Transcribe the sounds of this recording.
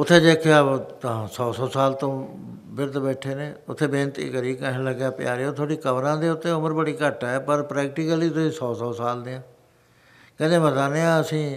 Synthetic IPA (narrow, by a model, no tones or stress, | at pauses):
ʊt̪ʰːeːd͡ʒeːkʰjaːt̪ãːsɔːsɔːsaːlt̪õː | bɪɾd̪bɛːʈʰeːneːʊt̪ʰːeːbẽːnt̪ḭːkəɾiːkəɦːləɡjaːpɪja̰ːɾeːoːt̪ʰoːɽiːkəʋɾãːd̪eːʊt̪ːẽːʊməɾbəɽiːkəʈːɛːpəɾpɾɛːk̚ʈɪːkəliːt̪ʊsĩːsɔːsɔːsaːld̪eːãː | kɛ̃ːd̪ẽːmət̪aːneːãːəsĩː